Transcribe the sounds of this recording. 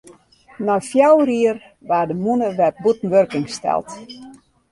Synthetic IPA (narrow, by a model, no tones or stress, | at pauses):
nɔfjawriər | ʋaːdəmunəʋɛp̚butn̩ʋørkɪŋstɛ̰lˠt